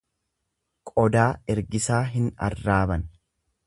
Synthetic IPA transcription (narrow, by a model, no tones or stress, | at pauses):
kʼɔd̪aːɛɾɡɪsaːɦɪnɐ̰rːaːbɐn